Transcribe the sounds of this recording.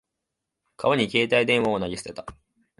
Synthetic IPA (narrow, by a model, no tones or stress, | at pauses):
kʰaβaɲ̟ike̞ːt̪aid̪ẽɰ̃βaonaɡʲisɨ̥t̪e̞t̪ḁ